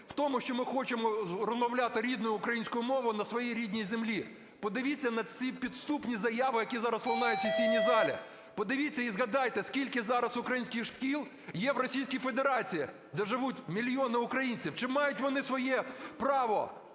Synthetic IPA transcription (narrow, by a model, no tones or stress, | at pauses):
w̥t̪ɔmʊʃt͡ʃɔmɪxɔt͡ʃɪmɔrɔzmɐwlʲat̪ɪɾʲid̪nʊjʊːkɾɐjinʲsʲkʊjʊmɔʋʊjʊnɐsʋɔjijɾʲid̪ʲnʲijzemlʲi | pɔd̪ɪʋʲit͡sʲːɐnɐt͡sʲipʲit̪st̪upnʲizɐjaʋɪjɐkʲizɑɾɐsplˠɐnɑjʊtʲːɐsʲijʲnʲizɑlʲɪ̰ | pɔd̪ɪʋʲit͡sʲːɐizɣɐd̪ɑjt̪ɛskʲilʲkɪzɑɾɐsʊkɾɐjinʲsʲkʲɪxʂkʲilˠ | jɛʋrɔsʲijsʲkijfed̪eɾɑt͡sʲiji | d̪ɛʐɪʋutʲmʲilʲjɔnɪʊkɾɐjinʲt͡sʲiwt͡ʃɪmɑjʊtʲʋɔnɪsʋɔjɛpɾɑʋɔ